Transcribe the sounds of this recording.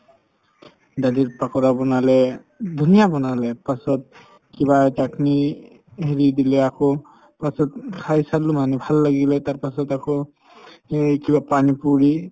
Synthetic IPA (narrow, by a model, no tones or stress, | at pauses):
dadiɹpakɔɹabɔnalɛ | dʱunijabɔnalɛpasɔt̚ | kiβad͡ʒakni | ɦeɹidilɛakɔ | pasɔtkʰajsalːumanɛbʱalːaɡilɛtaɹpasɔtakɔ | kibapanipuɹi